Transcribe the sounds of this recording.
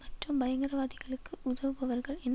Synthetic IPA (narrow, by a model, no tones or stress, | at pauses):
mɐʈrɯmbɐjɐŋɡɐɾɐʋaːðɪɣɐɭɯkːɯʔʊðɐʋɯpɐʋɐɾɣɐɭɛnː